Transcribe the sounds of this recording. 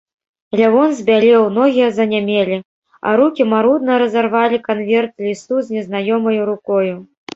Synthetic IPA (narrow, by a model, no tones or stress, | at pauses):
lʲavɔnzʲbʲalʲɛwnɔɣʲijɐzɐnʲamʲelʲi | ɐ̰ɾukʲimaɾud̪̚nɐɾɐzarvalʲikanvʲɛrt̪lʲist̪uzʲnʲɛznajɔmɐjuɾukɔju